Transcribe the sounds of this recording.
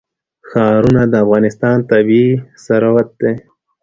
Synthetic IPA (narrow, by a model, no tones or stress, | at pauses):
xɑːɾunad̪əafɣɑnɪst̪ɑːnt̪abisaɾawat̪̚d̪e